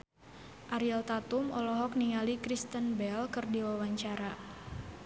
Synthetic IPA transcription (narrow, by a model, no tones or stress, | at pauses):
ʔaɾilt̪at̪umɔ̰lɔɦɔk̚niŋalikɾist̪ənbɛlkɨrdiwawaɲt͡ʃaɾa